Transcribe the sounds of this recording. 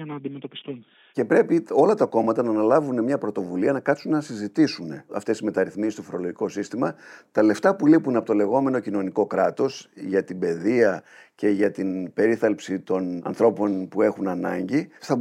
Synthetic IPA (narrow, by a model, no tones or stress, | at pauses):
ɐnɐːnd̪imet̪o̞pi̥st̪un | ce̞pɾe̞pio̞lɐt̪ɐko̞mɐt̪ɐnɐːnɐlɐvune̞mɲɐpɾo̞t̪o̞vuliɐnɐkɐp̪sunnɐsizit̪isune̞ɐ̰ft̪esizme̞t̪ɐɾiθmisist̪ofoɾo̞lo̞ʝiko̞sist̪imɐt̪ɐle̞ft̪ɐpulipunɐpot̪ole̞ɣo̞me̞no̞cino̞niko̞kɾɐt̪o̞sʝɐt̪ibe̞ðiɐce̞ʝɐt̪inb̥e̞ɾiθɐlpsit̪o̞nɐ̰nθɾo̞po̞npue̞xunɐnɐ̰ɲɟiθɐ